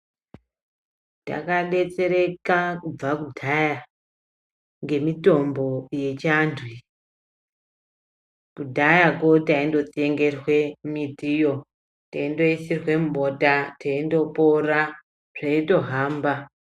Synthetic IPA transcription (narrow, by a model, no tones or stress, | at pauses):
ta̰kaɗe̞t͡se̞ɾe̞kakub͡vakudʱaja | ŋɡe̞mito̞mbo̞je̞t͡ʃandʰʱwi | kudʱajako̞taindo̞t͡sieŋɡe̞rwe̞mitijo̞ | taindo̞isirwe̞muɓo̞tataindo̞pora | ʐ̥aito̞ɦaːmba